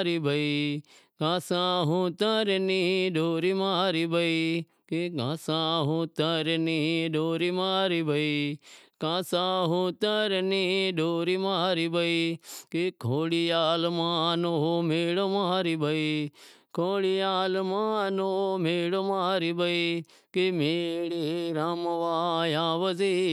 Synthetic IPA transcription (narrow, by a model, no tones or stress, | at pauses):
ɾibʱɐikãːsãːɦũt̪əɾnĩɖʱoːɾimaɾibɐi | keɡãːsãːɦũːt̪əɾniɖʱoːɾimaːɾibəikãːsãːɦũt̪əɾniɖoːɾimaːɾibɐikekʰoːɽijaːlmãːnomeːɽomaːɾibɐikʰoːɽijaːlmaːnomeːɽomaːɾibɐi | kemeːɽiɾaːmʋajãːʋəzi